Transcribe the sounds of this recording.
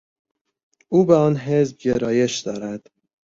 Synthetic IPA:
uːbeɒːnɦe̞zb̚ɟeɾɒːje̞ʃd̪̥ɒːɾæd̪̥

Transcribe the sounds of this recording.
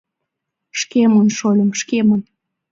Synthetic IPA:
ʃkemənʃolʲə̆mʃkemən

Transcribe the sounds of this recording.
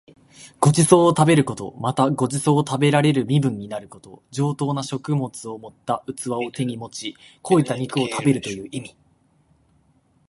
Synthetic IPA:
ɡ̥o̞d͡ʑiso̞ːt̪abe̞ɾɯ̟ko̞t̪o̞̰mat̪aɡo̞d͡ʑiso̞ːt̪abe̞ɾaɾe̞ɾɯ̟mʲibɯ̟̃ɲ̟ːinaɾɯ̟ko̞t̪o̞̰d͡ʑo̞ːt̪o̞ːnaɕo̞kɯ̟mo̞t͡sɨo̞mo̞t̪ːaʔɯ̟t͡sɨβao̞t̪e̞ɲ̟imo̞t͡ɕi | ko̞ːit̪ːaɲ̟ikɯ̟o̞t̪ʰabe̞ɾɯ̟t̪o̞jɯ̟ːʔimʲi

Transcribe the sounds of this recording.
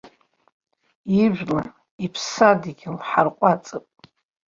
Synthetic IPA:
iʒʷᶣla | ipʰsadiɡʲlħarqʷʼat͡sʼɨpʼ

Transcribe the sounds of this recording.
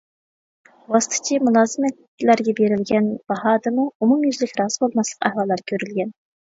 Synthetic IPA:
wɑst̪ʰɨ̥t͡ʃʰimulˠɑːzɨmɛt̪ | læɾɡʲɛbeɾɪlɡʲɛnb̥ɑhɑːd̪ɨmuumumjyzlɪkʲɾɑːz̥ɨbolˠmɑslˠə̥qæhwɑlˠːɑɾkʲʰøɾylɡʲɛn

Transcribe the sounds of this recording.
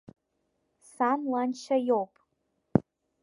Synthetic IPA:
sanlanʃajopʼ

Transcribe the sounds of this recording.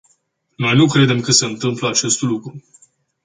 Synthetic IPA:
no̞jnukɾe̞d̪e̞mkəseɨnt̪ɨmpləat͡ʃe̞st̪lukɾu

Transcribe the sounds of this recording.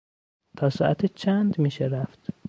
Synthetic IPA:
t̪ʰɒːsɒ̰ːʔæt̪ʰet͡ʃʰænd̪miːʃeɾæft̪

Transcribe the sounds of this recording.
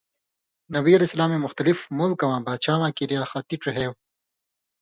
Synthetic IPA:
nɐbiɐlesɐlaːmemʊxt̪ɐlɪfmolkɐwãːbaːt͡ʃaːmakiɾjaːxat̪iʈ͡ʂeɦew

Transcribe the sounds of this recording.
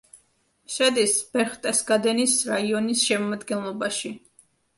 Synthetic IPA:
ʃɛd̪isb̥ɛɾχt̪ʼɛsɡad̪ɛnisɾaiɔnisʃɛmamad̪ɡɛnlˠɔbaʃi

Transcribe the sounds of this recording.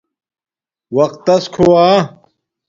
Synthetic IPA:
wɐqt̪ːɐskʰowaː

